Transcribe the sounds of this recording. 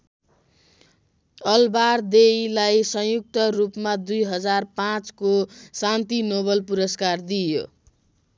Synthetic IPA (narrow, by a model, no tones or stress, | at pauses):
ʌlbard̪ejlajsʌ̃juk̚t̪ʌrupmad̪ujɦʌd͡zarpãt͡skosant̪inoβʌlpuɾʌskard̪ijo̰